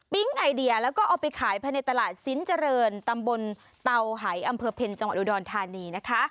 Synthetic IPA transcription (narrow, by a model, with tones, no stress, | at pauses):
pi˦˥ŋʔa˧jdi˧ɐlɛː˦˥wkɔː˥˩ʔɔː˨˩pa˧jkʰaː˩˦jpʰa˧ne˨˧˩t̪ːa˧laː˨˩t̪̚si˦˥nt͡ɕa˧ɾɤː˧nt̪a˧mbo˧n | t̪a˧wɦa˩˦jʔa˧mpʰɤː˧pʰe˧nt͡ɕa˧ŋwa˨˩t̪ʔuː˧˩dɔː˧nt̪ʰaː˧niː˧na˦˥kʰa˦˥ʔ